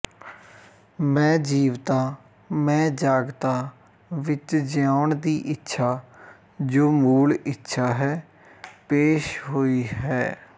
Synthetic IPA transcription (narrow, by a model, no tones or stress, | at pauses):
mɛ̃ːd͡ʒiːʋt̪aː | mɛ̃ːd͡ʒaːɡt̪aː | ʋɪt͡ʃd͡ʒɪjaːʊɳd̪iːʔɪtːʃʰaː | d͡ʒoːmuːlɪtːʃʰaːɦɛː | peːʃɦoːiːɦɛː